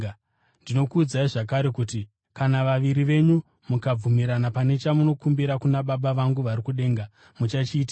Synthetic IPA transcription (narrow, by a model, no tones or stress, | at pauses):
ndino̞kuːd͡zaiʐak̬aɾe̞kuti | kanaʋaʋiɾiʋe̞ɲu | mukab͡vumiɾanapane̞t͡ʃamuno̞kumbiɾakunaɓaɓaʋaŋɡuʋaɾikuɗe̞ːŋɡa | mut͡ʃat͡ʃiːta